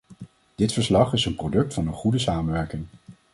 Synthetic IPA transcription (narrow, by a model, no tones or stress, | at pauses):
d̥ɪtfəɹslɑχɪsənprowdɵk̚tfɑnənχudəsaːmənʋɛɹkɪŋ